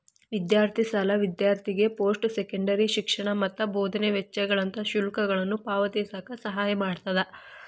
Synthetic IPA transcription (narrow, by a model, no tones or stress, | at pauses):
ʋid̪jaːɾt̪ʰisɐlɐʋid̪jaːɾt̪ʰiɡe̞po̞ːsʈsekɐɳɖɐɾiʃikʂɐɳɐmɐt̪ːɐboːd̪ɐneʋɛt͡ʃːɐɡɐɭɐnt̪ɐʃulkɐɡɐɭɐnːupaːʋɐt̪isaːkɐsɐɦaːjɐmaːɖt̪ɐd̪ɐ